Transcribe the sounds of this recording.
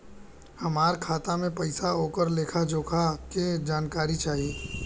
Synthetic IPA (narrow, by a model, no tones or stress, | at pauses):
hɐmaːɾkʰaːt̪amẽpɐɪsaoːkəɾleːkʰad͡ʒoːkʰaked͡ʒaːnkaːɾit͡ʃaːɦieː